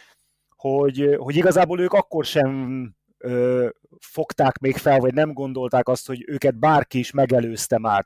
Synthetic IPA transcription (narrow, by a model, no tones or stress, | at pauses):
ho̞ɟho̞ɟiɡɒzaːboːløːkɒkːo̞rʃɛɱ | øː | fo̞kt̪aːkmeːkfɛlvɒɟnɛmɡo̞n̪d̪o̞lt̪aːkɒst̪ho̞ɟøːkɛd̪̚baːrkiːʃmɛɡɛløːst̪ɛmaːr